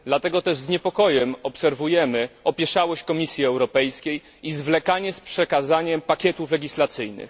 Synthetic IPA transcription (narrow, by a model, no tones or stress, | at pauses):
d̪lat̪ɛɡɔt̪ɛʐzɲɛpɔkɔjɛmɔpsɛɾvujɛmɘɔpʲjɛʂawɔɕt͡ɕkɔmʲisʲjiɛwɾɔpɛjskʲej | izvlɛkaɲɛspʂɛkazaɲɛmpakʲɛt̪uflɛɡʲislat̪sɘjnɘ̰x